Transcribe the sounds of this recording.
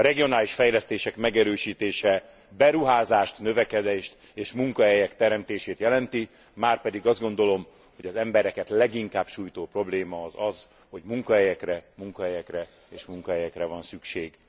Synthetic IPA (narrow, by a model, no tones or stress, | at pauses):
ɾɛɡijo̞naːliʃfɛjlɛst̪eːʃɛkmɛɡɛɾøːʃiːt̪eːʃɛ | bɛɾuɦaːzaːʃt̪nø̞vɛkɛd̪eːʃt̪ | eːʃmuŋkɒɦɛjɛkt̪ɛɾɛmt̪eːʃeːt̪jɛlɛnt̪i | maːrpɛd̪iɡɒzɡo̞n̪d̪o̞lo̞m | ho̞ɟɒzɛmbɛɾɛkɛt̪lɛɡiŋkaːbʃuːjt̪oːpro̞bleːmɒːzɒz | ho̞ɟmuŋkɒɦɛjɛkrɛmuŋkɒɦɛjɛkrɛ | eːʃmuŋkɒɦɛjɛkrɛvɒnsykʃeːɡ̥